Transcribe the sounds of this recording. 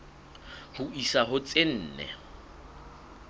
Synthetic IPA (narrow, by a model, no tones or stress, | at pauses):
hʊisaɦʊt͡sʼen̩ːnɛ̰